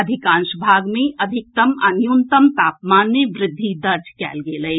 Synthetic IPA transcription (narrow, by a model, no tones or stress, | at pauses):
ɐd̪ʱɪkãːnʃbʱaːɡmẽʔɐd̪ʱɪk̚t̪ɐmɐnjunt̪əmt̪aːpmaːnːeʋɾɪd̪ʱːid̪ɐɾd͡ʒʱkɛ̰ːlɡeːlɐe